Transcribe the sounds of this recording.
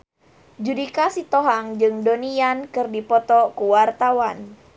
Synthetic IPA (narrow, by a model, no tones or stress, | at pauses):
d͡ʒudikasit̪ɔɦaŋd͡ʒɨŋdonijankɨrdipɔt̪ɔkuwart̪awan